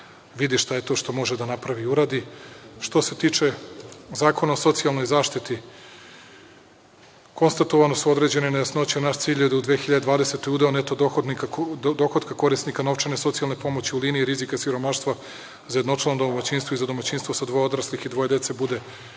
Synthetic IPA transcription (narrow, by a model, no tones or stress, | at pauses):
ʋid̪iʃt̪ajet̪o̞ːʃt̪o̞mo̞ʒed̪anapɾaʋiuɾaːd̪iʃt̪o̞se̞t̪iːt͡ʃe̞zaːko̞naoso̞t̪sialˠno̞jzaːʃt̪it̪i | ko̞nst̪at̪oʋanosuo̞d̪ɾe̞d͡ʑe̞nenejasno̞t͡ɕenaʃt̪siːʎed̪aud̪ʋexiʎad̪ed̪ʋaːd̪ese̞t̪o̞jud̪eonet̪oxd̪niad̪o̞xod̪kako̞ɾisnikano̞ʋt͡ʃenesot̪sijalˠnepo̞mo̞t͡ɕiuliːniːɾizikasiɾo̞maʃt̪ʋa | zajed̪notalnod̪omat͡ɕinst̪vo̞izad̪o̞mat͡ɕinst̪vo̞sad̪ʋoeod̪ɾaslixid̪ʋo̞jed̪e̞t̪se̞bud̪e̞